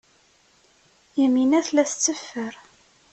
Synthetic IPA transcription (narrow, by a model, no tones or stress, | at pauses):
jiminæθlæθət͡sːəfːəɾ